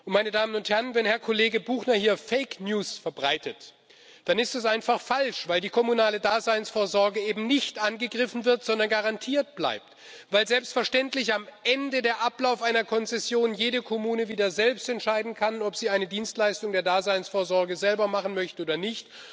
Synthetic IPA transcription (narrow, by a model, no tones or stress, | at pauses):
ʊntmaɪnədaːmənʊnthɛʁənvɛnhɛɐkʰɔleːɡəbuːxnɐhiːɐfɛɪknjuːsfɛɐbʁaɪtʰət | d̥anɪstɛsʔaɪnfaχfalʃv̥aɪldiːkʰɔmunaːlədaːzaɪnsfoːɐzɔɐɡəʔeːbm̩nɪçtʔanɡəɡʁɪfn̩vɪɐtz̥ɔndɐnɡaʁantʰiːɐtb̥la̰ɪp̚t | vaɪlzɛlpstfɛɐʃtɛntlɪçamʔɛndədeːɐʔaplaʊfaɪnɐkʰɔnt͡sɛsjoːnjeːɾəkʰɔmuːnəviːdɐzɛlpstɛntʃaɪdn̩kʰanɔpz̥iːaɪnədiːnstlaɪstʊŋdeːɐdaːzaɪnsfoːɐzɔɐɡəzɛlbɐmaχn̩mœçtəoːdɐnɪçt